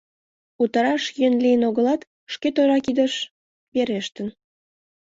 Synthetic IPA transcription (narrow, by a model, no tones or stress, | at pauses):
ut̪əɾɑʃjønliənoɣəlɑt̪ | ʃket̪oɾɑkid̪əʃ | βeɾeʃt̪ən